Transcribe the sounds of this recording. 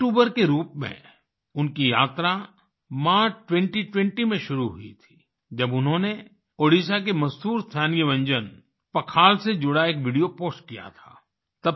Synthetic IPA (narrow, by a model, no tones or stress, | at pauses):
ʈuːbəɾkeɾuːpmḛ̃ | ʊnkija̰ːt̪ɾa | maːʈwɛ̃ɳʈiʈwɛ̃ɳʈimẽʃʊɾuɦʊḭt̪ʰi̥ː | d͡ʒɐbʊnɦõne | oːɽis̬ak̬emɐzd̪uːɾst̪ʰaːnijəʋɐ̃ɲd͡ʒən | pɐkʰaːlsed͡ʒʊɽaeːkʋɪɖijopoːsʈ̚kija̰t̪ʰa̰ː | t̪ɐ